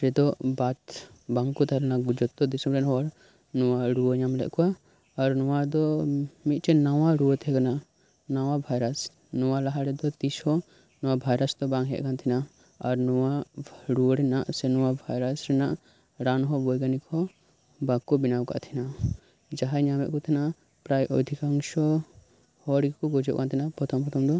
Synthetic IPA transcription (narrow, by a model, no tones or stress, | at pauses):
ɾɛd̪ɔbat̪ | baŋkɔt̪ʰalɛnaɡud͡ʒɔt̪ːɔd̪isɔmɾɛnɦɔaɾ | nɔwaɾuɔɲamlɛ̰ʔkɔwaː | ɾnɔwad̪ɔmit̪̚ˀt͡ʃɛnawaɾuɔt̪ʰɛkanaʔ | nawabʱajɾas | nɔwalaɦaɾɛd̪ɔt̪ishɔ | nɔwabʱajɾasd̪ɔbaŋɦɛ̰ʔ̪̚ˀkant̪ʰina | aɾnɔwaɾuɔɾɛnaʔsɛnɔwabʱajɾasɾɛnaʔ | ɾanɦɔbɔjɡanikɔ | bakːɔbinawka̰ʔt̪ʰina | d͡ʒaɦaɲamɛʔkɔt̪ʰinaʔ | pɾajʔɔd̪ʱikaŋʃɔ | hɔɽɡkɔɡɔd͡ʒɔ̰ʔ̚kant̪ʰinapɔt̪ʰɔmpɔt̪ʰɔmd̪ɔ